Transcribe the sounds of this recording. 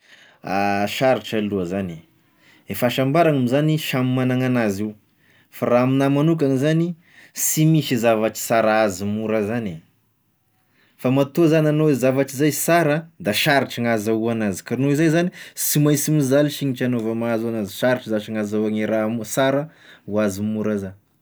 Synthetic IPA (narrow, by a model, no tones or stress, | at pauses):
aʃaɾiʈ͡ʂaluəzani | efaʃambaɾaŋamizaniʃamimanaŋanaziu | faɾaminamanuk̬aŋizani | simiʃizavaʈ͡ʂi̥saɾaazimuɾazani | famat̪ozanʲanoezavaʈ͡ʂizajsaɾəd̪aʃaɾiʈ͡ʂiŋazauanazi̥kaɾinoizajzanisimajsimizaliʃiɲiʈ͡ʂanovamaazuanaziʃaɾiʈ͡ʂizat͡ʃiŋazauaŋiɾamsaɾə | uazimuɾəzan